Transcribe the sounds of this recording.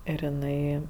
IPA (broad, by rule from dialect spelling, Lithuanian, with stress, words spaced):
ɪr ɪˈnɐɪ